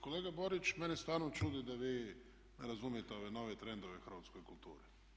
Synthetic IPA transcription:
koleːɡabo̞ɾit͡ʃmenest̪aːɾnot͡ʃuːd̪id̪aʋiː | neɾazumijet̪ɛo̞ʋeno̞ːʋet̪ɾend̪oʋexr̩ʋat̪skojkult̪ṵːɾi

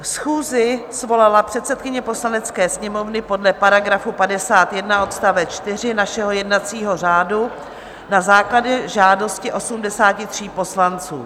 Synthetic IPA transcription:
fsxuːzɪsvo̞lalapr̝̥ɛt̪sɛt̪̚kɪɲɛpo̞slanɛt͡skɛːsɲɛmo̞vnɪpo̞dlɛpaɾaɡɾafupadɛsaːt̪jɛdnaʔo̞t̪st̪avɛt͡ʃt̪ɪr̝ɪnaʃɛɦo̞jɛdnat͡siːɦo̞r̝aːdu | nazaːklaɟɛʒaːdo̞scɪʔo̞sumdɛsaːcɪt̪r̝̥iːpo̞slant͡sṵː

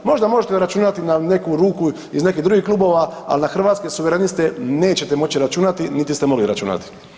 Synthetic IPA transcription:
mo̞ʒd̪amo̞ʒet̪eɾat͡ʃuːnat̪inane̞kuɾuːku | izne̞kiɦd̪uɡiklˠuːbo̞ːʋaa̰linaxr̩ʋaːt̪skesuʋeɾenist̪e̞ne̞ːt͡ɕe̞t̪emo̞t͡ɕiɾat͡ʃuːnat̪init̪ist̪emo̞ɡliɾat͡ʃṵna̰t̪i̥

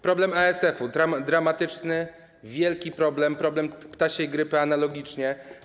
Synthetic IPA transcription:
pɾɔblɛmaɛsɛfud̪ɾad̪ɾamat̪ɘt͡ʂnɘ | vʲjɛlkʲipɾɔblɛmpɾɔblɛmpt̪aɕejɡɾɘpɘanalɔɡʲit͡ʂɲɛ

